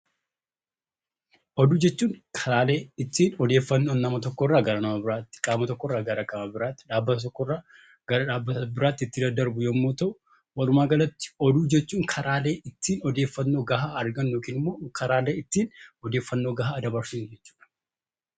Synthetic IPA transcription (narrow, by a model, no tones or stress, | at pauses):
ʔɔd̪uːd͡ʒɛt͡ʃːuːŋkʰɐɾaːle̞ːɪt̪ːiːnɔd̪eːfːɐnːo̞ːnːɐmɐt̪ɔkːɔrːaːɡɐɾɐnɐmɐbɪɾaːt̪ːɪ̥kʼaːmɐt̪ɔkːɔrːaːɡɐɾɐkʼɐmɐbɪɾaːt̪ːɪ̥ᶑaːbːɐt̪ɐt̪ɔkːɔrːaː | ɡ̥ɐɾɐᶑaːbːɐbɪɾaːt̪ːɪɪt̪ːɪd̪ɐd̪ːɐɾbʊjɐmːo̞ːt̪ɐʔʊ | wɐlʊmaːɡɐlɐt̪ːɪ̥ɔd̪uːd͡ʒɛt͡ʃːuːŋkʰɐɾʔaːle̞ːʔɪt̪ːiːnɔd̪eːfːɐnːo̞ːɡɐhaːɐɾɡɐnːjoːkiːnɪmːo̞ːkʰɐɾaːle̞ːɪt̪ːiːnɔd̪e̞ːfːɐnːo̞ːɡɐhaːd̪ɐbɐɾsid͡ʒɛt͡ʃːu̥ːᶑɐ̥